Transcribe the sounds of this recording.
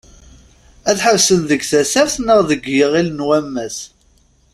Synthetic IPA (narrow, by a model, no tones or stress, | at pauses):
æθħəvsənðəɡθæsæɾθnəʁðəɡjəʁilnwæmːæs